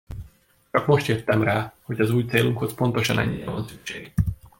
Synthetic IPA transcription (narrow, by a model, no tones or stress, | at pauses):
t͡ʃɒkmo̞ʃt̪jet̪ːɛmraːho̞ɟɒzuːjt̪seːluŋkho̞spo̞nt̪o̞ʃɒ̰nɛ̰ɲːiɾɛvɒnsykʃeːɡ